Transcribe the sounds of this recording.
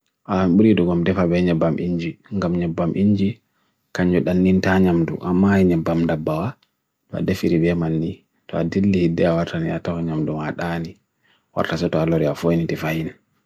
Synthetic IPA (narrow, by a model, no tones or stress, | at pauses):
ʔaɓuɾiduɡɔmdɛfabɛɲɛbːamʔiɲd͡ʒiŋɡamɲɛbːamʔiɲd͡ʒi | kaɲd͡ʒɔɗanːintaɲamdṵʔamːaiɲɛbːamndabːawa | tɔa̰defiɾibɛmanːi | tɔadilːihidːɛawaɾtaniatɔkɔɲamdumaɗani | wa̰ɾtasɔtɔalɔɾiafonitifajina